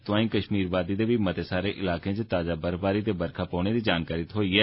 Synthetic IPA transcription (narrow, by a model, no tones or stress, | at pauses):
t̪ʊʋãːĩkəʃmiːɾbaːd̪id̪ebʱimɐt̪esaːɾeʔɪlaːkẽt͡ʃet̪aːzabəɾbaːɾit̪ebɐɾkʰapɔːned̪id͡ʒaːnkaːɾɪt̪ɦoːiɦɛː